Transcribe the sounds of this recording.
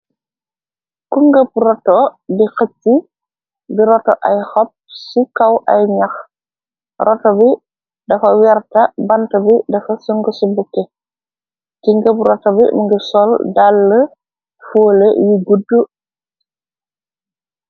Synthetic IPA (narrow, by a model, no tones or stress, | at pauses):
kuŋɡəp̚ɾɔtɔbixətːi | biɾɔtɔʔajhɔp̚sikawʔɐ̰jɲɐx | rʔɔtɔbi | dɐfɐwɛɾtɐbɐntɐbidɐfɐsuŋɡɔsibukːɛ | kiŋɡəprɔtɔbimiŋɡisɔldalːə | fuːləjiɡudu